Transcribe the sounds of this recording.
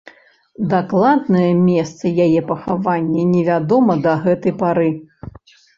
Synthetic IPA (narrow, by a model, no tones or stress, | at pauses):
d̪aklˠad̪nɐjɐmʲɛst̪sɐjajɛpɐxavanʲːɛnʲɛvʲad̪ɔmɐd̪ɐɣɛt̪ɐjpaɾɨ